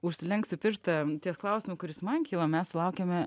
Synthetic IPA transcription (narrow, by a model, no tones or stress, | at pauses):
ʊʃʲsʲɪlʲɛŋksʲʊpʲɪɾʃt̪ɐt̪ʲiɛsklˠɐʊsʲɪmʊkʊɾʲɪsmɐnkʲiːlˠɐmʲɛssʊlˠɐʊkʲemʲɛ